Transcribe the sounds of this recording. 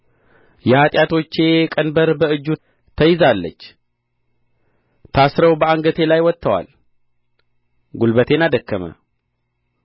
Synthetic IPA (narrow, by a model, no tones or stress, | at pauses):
jɛhat̪ʼjat̪ʰo̞t͡ʃːe̞kʼənbəɾbəɨd͡ʒːu | t̪ʰəjɪzalːə̰t͡ʃː | t̪ʰasɾəwbəaŋɡət̪ʰe̞lajwɔt̪ʰːəwa̰l | ɡulbət̪ʰe̞nad̪əkːəmə̰